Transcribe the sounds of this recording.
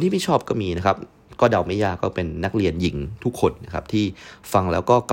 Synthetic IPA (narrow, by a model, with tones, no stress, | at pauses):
t̪ʰiː˥˩i˥˩t͡ɕʰɔː˥˩p̚kɔː˥˩miː˧na˦˥kʰa˦˥p̚ | kɔː˥˩da˧˩wma˦˥˩jaː˧˩kɔː˥˩pe˧nːa˦˥k̚ɾi˧ənji˩˦ŋt̪ʰu˦˥kʰːo˧nːa˦˥kʰa˦˥p̚t̪ʰiː˥˩fa˧ŋlɛ̰ː˦˥wkɔː˥˩k